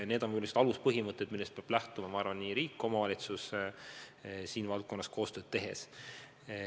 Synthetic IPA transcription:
ne̞ːd̪onmujulːesid̪ɑluspɤɦimɤt̪ːˑet̪milːest̪peɑb̥læht̪umɑmɑɑrvɑnniːɾiːkːˑo̞mɑvɑlʲit̪sus | siːnvɑlt̪̚ko̞nːɑsko̞ːst̪ø̞ːd̥̪̚t̪e̞ɦe̞̰s

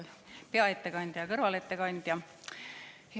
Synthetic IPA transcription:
peɑet̪ːekɑnʲd̪̥jɑkɤrvɑlet̪ːekɑnʲd̪̥jɑ

